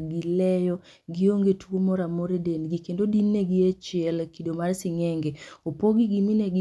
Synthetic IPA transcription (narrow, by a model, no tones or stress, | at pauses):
ɡilɛjɔ | ɡɪoŋɡetuwomɔɾamoɾedenɡikendodinːeɡɪet͡ʃɪɛlkidomarsɪŋɛŋɡɛopoɡiɡiminɛɡ